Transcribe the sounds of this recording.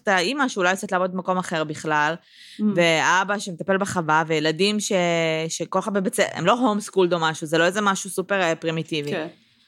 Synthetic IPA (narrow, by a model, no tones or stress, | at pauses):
t̪aimaʃuːlajot͡set̪lavod̪̚bemako̞maχe̞ʁbiχlal | veabaʃemet̪ape̞lbeχavavejeladimʃe̞ʃekolχabebet͡seʔḛmlo̞ɦomskuld̪omaʃuzeloezemaʃusupeʁpʁimit̪ivi